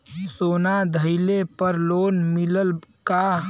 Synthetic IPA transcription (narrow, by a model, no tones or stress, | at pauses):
soːnad̪ʱəɪlepəɾloːnmɪləlka